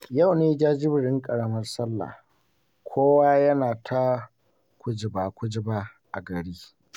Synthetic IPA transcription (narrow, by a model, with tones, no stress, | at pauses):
ja˦˨wneː˦d͡ʒaː˦d͡ʒɪ˦bɪ˨ɽɪ˦ŋkʼɐ˨ɽɐ˦mɐ˦rsɐ˦lːa̰˨ | kʷʰoː˦waː˦jɐ˦naː˨tʰa˦ | kʷʊ˦d͡ʒɪ˨baː˨kʷʊ˦d͡ʒɪ˦baː˦ʔa˨ɡɐ˨ɽiː˦